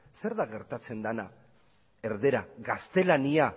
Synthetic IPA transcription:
se̞ɾðaɣe̞ɾt̪at͡se̞nd̪ana | e̞ɾðe̞ɾaɣast̪e̞lania

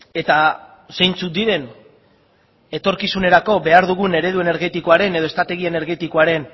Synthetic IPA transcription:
e̞t̪a | se̞jnt͡sut̪̚d̪iɾe̞n | e̞t̪o̞ɾkisune̞ɾako̞be̞aɾðuɣ̞une̞ɾe̞ðue̞ne̞ɾɣe̞t̪ikoaɾe̞ne̞ð̞oe̞st̪ɾat̪e̞ɣ̞iene̞ɾɣe̞t̪iko̞aɾe̞n

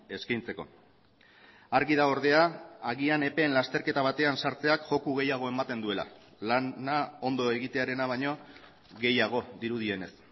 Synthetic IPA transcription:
e̞skajnt͡se̞ko̞̰ | aɾɣið̞ao̞ɾð̞e̞aːɣiane̞pe̞ːnlast̪e̞ɾke̞t̪aβ̞at̪e̞ansaɾt͡se̞akʝo̞kuɣ̞e̞jaɣ̞o̞e̞mat̪e̞nd̪ue̞la̰ | lanao̞nd̪o̞e̞ɣit̪e̞aɾe̞naβ̞ajɲo̞ | ɣe̞jaɣ̞o̞ðiɾuð̞ie̞ne̞s

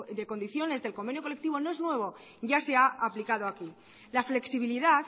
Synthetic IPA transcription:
d̪e̞ko̞nd̪iθjo̞ne̞zðe̞lko̞mbe̞njokole̞k̚t̪iβ̞o̞no̞e̞znwe̞β̞o̞ | ʝase̞aaplikað̞o̞aki | lafle̞ksiβiliðaθ

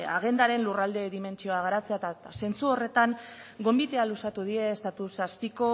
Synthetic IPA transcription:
aɣ̞e̞nd̪aɾe̞nlurald̪e̞ðime̞nt͡ʃio̞aɣ̞aɾat͡se̞at̪ase̞nt͡suo̞re̞t̪aŋɡo̞mbit̪e̞alusat̪uð̞ie̞ːst̪at̪usaspiko̞

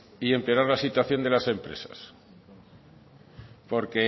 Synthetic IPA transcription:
ie̞mpeoɾaɾlasit̪waθjo̞nd̪e̞lase̞mpɾe̞̰sḁ̰s | po̞ɾke̞

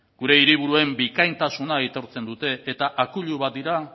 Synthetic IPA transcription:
ɡ̥uɾe̞iɾiβuɾue̞mbikajnt̪asunait̪o̞ɾt͡se̞nd̪ut̪e̞ːt̪aʔakuʎuβat̪̚d̪iɾa

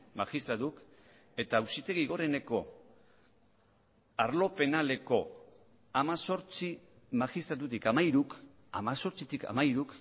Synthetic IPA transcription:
maxist̪ɾat̪uk | e̞t̪aːwsit̪e̞ɣiɣ̞o̞ɾe̞ne̞ko̞ | aɾlo̞pe̞nale̞ko̞ | amaso̞ɾt͡si | maxist̪ɾat̪ut̪ikamaiɾuk | a̰maso̞ɾt͡sit̪ika̰maiɾuk

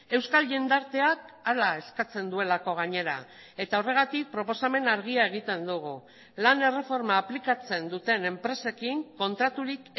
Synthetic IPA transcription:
e̞wskalʝend̪aɾt̪e̞akalae̞skat͡se̞nd̪ue̞lako̞ɣ̞aɲe̞ɾa̰ | e̞t̪ao̞re̞ɣ̞at̪ik̚pɾo̞po̞same̞naɾɣiae̞ɣ̞it̪e̞nd̪uɣ̞u | lane̞re̞fo̞ɾmaːplikat͡se̞nd̪ut̪e̞ne̞mpɾe̞se̞kiŋko̞nt̪ɾat̪uɾik

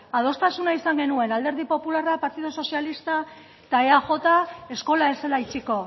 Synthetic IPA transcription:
aðo̞st̪asunaisaŋɡe̞nue̞nald̪e̞ɾð̞ipo̞pularapaɾt̪iðoso̞sialist̪a | t̪aeaʝo̞t̪aesko̞lae̞se̞lait͡siko̞

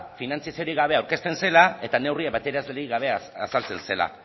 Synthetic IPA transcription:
finant͡siasioɾiɣaβ̞e̞awɾke̞st̪e̞nse̞lae̞t̪ane̞wriaβat̪eɾazleɾiɣaβ̞e̞asalt͡se̞nse̞la̰

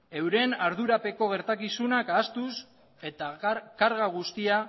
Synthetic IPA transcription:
e̞wɾe̞naɾðuɾape̞ko̞ɣ̞e̞ɾt̪akisunakaːst̪us | e̞t̪akaɾɣaɣ̞ust̪ia

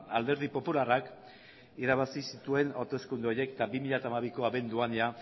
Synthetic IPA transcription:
ald̪e̞ɾð̞ipo̞pularak | iɾaβasisit̪ue̞noɾt̪o̞skund̪uo̞ɾjekt̪abimiʎat̪aːmaβikoaβe̞nd̪uanea

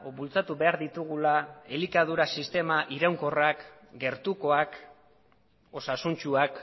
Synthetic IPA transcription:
bult͡sat̪uβe̞aɾðit̪uɣ̞ulaelikað̞uɾasist̪e̞maʔiɾawŋko̞rak | ɡe̞ɾt̪uko̞ak | o̞sasunt͡ʃuak

